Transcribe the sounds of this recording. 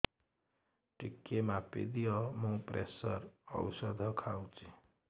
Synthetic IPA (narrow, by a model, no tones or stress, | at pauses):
ʈikːemapḛd̪ijʌmũpɾʔesʌɾʌ̰wsʌd̪ʱʌkʰawt͡sʰi̥